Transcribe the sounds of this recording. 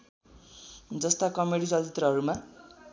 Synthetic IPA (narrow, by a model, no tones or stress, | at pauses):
d͡zʌst̪akʌmeɽisʌtit̪rʌɦʌɾuma